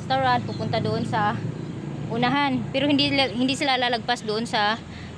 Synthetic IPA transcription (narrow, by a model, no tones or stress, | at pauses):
st̪oɹand̪̚pʊpʊnt̪ad̪oʔonsɐ | ʔʊnaɦanpɛːɾohɪnd̪ihɪnd̪iːsɪlalalɐɡ̚pasd̪oʔonsɐ